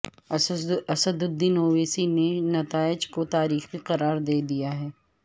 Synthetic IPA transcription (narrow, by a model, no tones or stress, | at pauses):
ɐsəd̪ʊd̪ːiːnoːʋeːsinenɐt̪aːɪd͡ʒkot̪aːɾiːxiqɐɾaːɾd̪eːd̪ijaɦɛː